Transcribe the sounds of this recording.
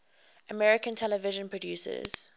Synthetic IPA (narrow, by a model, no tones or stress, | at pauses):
ʔəmɛɹɪkə̃ntʰɛləvɪʒə̃npʰɹɔdjuːsə̰z̥